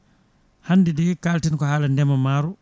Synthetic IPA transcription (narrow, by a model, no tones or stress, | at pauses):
handɛdɛːkaːltinkɔhaːlandɛmamaːɾu